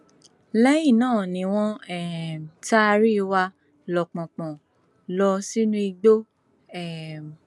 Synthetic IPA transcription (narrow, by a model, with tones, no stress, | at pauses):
lɛ˦jĩ˦˨nãː˦˨nĩ˧w̃ɔ̃˦ɛ˦˨ta˦˧ɾi˦˧wa˧ | lɔ˨k͡pɔ̃˨k͡pɔ̃˨ | lɔ˧si˦nũ˦i˧ɡ͡bo˦ | ɛ˨m